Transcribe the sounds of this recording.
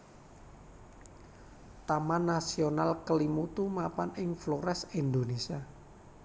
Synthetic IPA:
t̪amanːasionalkəlimut̪umapanɪŋfloɾɛsind̪onesia

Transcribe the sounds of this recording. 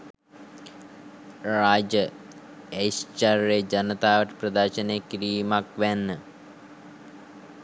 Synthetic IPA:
raːd͡ʒə | ejst͡ʃaɾːeːd͡ʒɐnət̪aːʋəʈə̥prɐd̪aːʃəneːkiɾiːmakʋænːə

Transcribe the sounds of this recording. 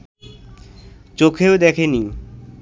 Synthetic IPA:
t͡ɕokʰeod̪ɛkʰeni

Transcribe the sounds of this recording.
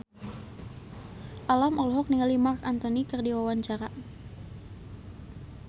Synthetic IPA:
ʔalamɔlɔɦɔk̚niŋalimarkant̪ɔnikərdiwawaɲt͡ʃaɾa

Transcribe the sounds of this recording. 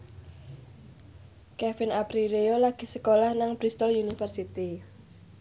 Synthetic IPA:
kɛfɪnapɾiɾeolaɡ̥i̤səkolahnaŋb̥ɾist̪ɔlunifərsit̪i

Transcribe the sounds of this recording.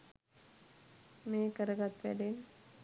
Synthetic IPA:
meːkəɾəɡat̪ʋɛ̰ɖen

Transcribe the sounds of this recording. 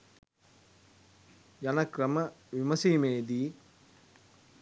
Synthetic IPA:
jɐnɐkɾɐməʋimɐsiːmeːd̪iː

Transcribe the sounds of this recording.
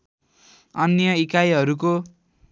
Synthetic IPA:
ʌnjʌikajɦʌɾuko

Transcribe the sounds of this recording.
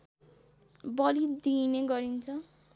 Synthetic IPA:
bʌlid̪ineɡʌɾint͡sʰʌ

